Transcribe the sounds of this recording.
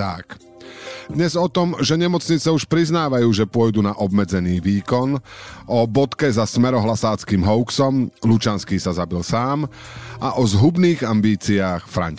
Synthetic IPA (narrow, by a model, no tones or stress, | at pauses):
t̪a̰k | d̪ɲɛzɔt̪ɔmʒɛɲɛmɔt͡sɲit͡sɛuʃpɾiznaːʋajuːʒɛpʊɔjd̪uːnaʔɔbmɛd͡zɛniːʋiːkɔnɔbɔt̪kɛzasmɛɾɔɦlasaːt͡skiːmɦɔʊksɔmlut͡ʃanskiːsazabilsaːm | ʔaʔɔzɦubniːɣambiːt͡siaːxfɾa̰ɲ